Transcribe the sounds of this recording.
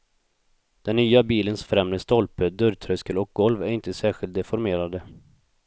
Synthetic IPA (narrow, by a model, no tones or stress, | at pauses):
d̪̥ɛnːyːabiːlənsfɾɛmd̪əst̪ɔlpəd̪ɵɾt̪ʰɾœskəlɔk̚ɡɔlvæɾɪnt̪əsæːɧɪlt̪̚d̪ɛfɔɾmeːɾad̪ə